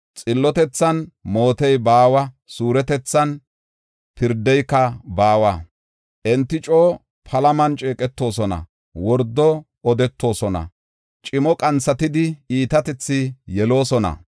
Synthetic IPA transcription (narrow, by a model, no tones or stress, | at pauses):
t͡sʼɪlːɔt̪ɛt͡sːɐnmo̞ːt̪ɛjbaːwɐ | suːɾɛt̪ɛt͡sːɐn | pɪɾd̪ɛjkːɐbaːwɐ | ʔɛnt̪ːɪt͡ʃʼoː | pʰɐlɐmɐnt͡ʃʼeːkʼɛt̪ːo̞ːsɔnɐ̰ | wɔɾd̪ːɔ | ɔd̪ɛt̪ːo̞ːsɔnɐ̰ | t͡ʃʼɪmɔkʼɐnt͡sːɐt̪ɪd̪ɪiːt̪ɐt̪ɛt͡sːɪjɛlo̞ːsɔnɐ̰